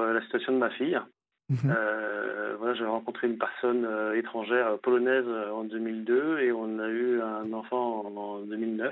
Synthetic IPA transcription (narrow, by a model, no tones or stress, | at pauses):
ølasit̪yasjɔ̃d̪əmafij | ø | vwalaʒavɛʁɑ̃kɔ̃t̪χeynpɛʁsɔnøet̪χɑ̃ʒɛʁøpɔlɔnɛzøɑ̃d̪ømild̪øeɔ̃nayɛ̃nɑ̃fɑ̃ːd̪ømilnœf